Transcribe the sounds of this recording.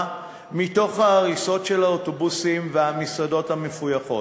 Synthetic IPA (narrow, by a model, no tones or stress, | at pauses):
mito̞χhaːʁiso̞tʃe̞laoto̞busimveamisado̞thame̞fujaχo̞